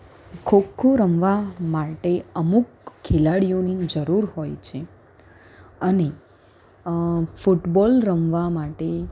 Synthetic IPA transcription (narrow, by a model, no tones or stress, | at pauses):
kʰokʰːuɾəmʋamaʈeəmuk | kʰːelaɽijonid͡ʒəɾuɾɦojt͡ʃʰe | əne | fuʈbɔlɾəmʋamaʈe